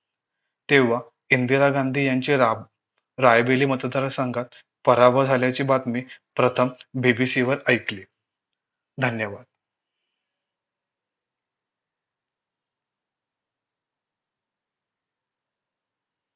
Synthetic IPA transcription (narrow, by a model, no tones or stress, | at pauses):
t̪eʋa | ind̪iɾaɡand̪ʱiːjaɲt͡ɕi | ɾajbeliːmət̪d̪ʱəɾasaŋɡʱat̪̚ | pəɾabʱəd͡zʱaljat͡ɕiːbat̪miːpɾət̪ʰəmbibisiʋəɾəjkli | d̪ʱənjəʋad̪̥